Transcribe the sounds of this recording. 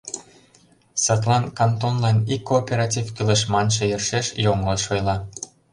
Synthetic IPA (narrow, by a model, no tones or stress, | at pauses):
sɑt̪̬lˠɑnkɑnt̪onlɑnikːoːpʲeɾɑtʲivkylə̆ʃmɑnʃɤ̆jɤrʃeʃjoŋɤlʃojlɑ